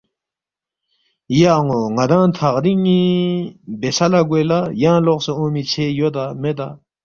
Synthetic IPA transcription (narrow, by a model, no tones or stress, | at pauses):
jaʔŋoŋad̪aŋt̪ʰaɾiŋɲi | besalaɡølajaŋlɔʔsuʔoŋmit͡ɕʰeʔjøt̪amet̪a̰